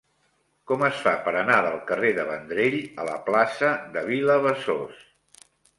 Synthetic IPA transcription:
kɔməsfapəɾənaðəlˠkəreðəβənd̪ɾeʎələ̰plasəðəβ̞iləβəsos

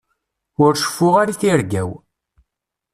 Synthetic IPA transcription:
ʊɾʃə̥fːʊʁaɾiθiɾɡæw

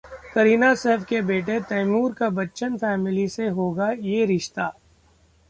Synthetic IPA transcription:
kɐɾiːnasɛːfkebeːʈ̬et̪ɐːmuːɾkabɐtːʃənfɛːmɪliseɦoːɡajeːɾɪʃt̪aː

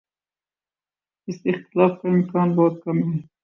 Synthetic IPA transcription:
ɪsɪxt̪ɪlaːfkaɪmkɑːnbɔːt̪̚kɐmɦɛː

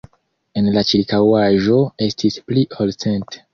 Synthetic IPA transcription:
e̞nlat͡ʃiɾkawaʒo̞e̞stʰispliʔolsente̥

